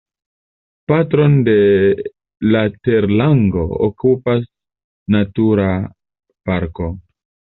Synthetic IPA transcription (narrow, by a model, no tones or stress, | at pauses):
patɾo̞nde̞ | lateɾlaŋɡo̞o̰kupas | natuɾa | paɾko̞